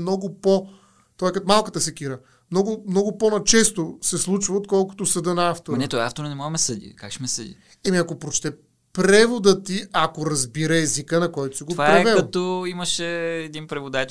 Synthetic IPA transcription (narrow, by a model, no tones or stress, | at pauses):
nɔɡʊpo | t̪ɔjkɐt̪malˠkət̪əsɛkiɾə | mnɔɡʊmnɔɡʊponɐt͡ʃɛst̪osɛslˠut͡ʃvɐot̪̚kɔlˠkʊ̥t̪osɐd̪ənɐaft̪oɾnɛt̪ɔɛaft̪oɾnɛmɔɡmɛsəd̪ḭkakʃmɛsəd̪ḭ | ɛmiɐkopɾot͡ʃt̪ɛ | pɾɛvod̪ət̪iʔakoɾɐzbiɾəɛzikənɐkɔjt̪ʊ̥siɡ̪otvaɾɾɛɛvɛlɐt̪ɔiməʃɛːd̪inpɾɛvod̪at͡ʃ